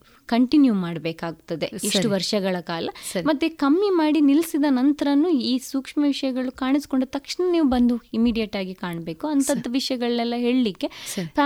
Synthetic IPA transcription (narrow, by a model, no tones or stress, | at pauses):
kɐɳʈinjumaːɽbeːkaːɡ̚ut̪ːɐd̪e̞siʂʈuʋɐɾʂɐɡɐɭɐkaːlɐɐmɐt̪ːekɐmːimaːɽinilsid̪ɐnɐnt̪ɐɾɐnːuiːsuːkʂmɐʋiʂɐjɐɡɐɭukaːɳisko̞ɳɖut̪ɐkʂɳɐniːʋubɐnd̪uimiːɽijɐʈaːɡikaːɳɐbe̞ːkuɐnt̪ʰɐd̪ɐʋiʂjɐɡɐɭːɛlːɐɦe̞ːɭlikːe̞sipɾa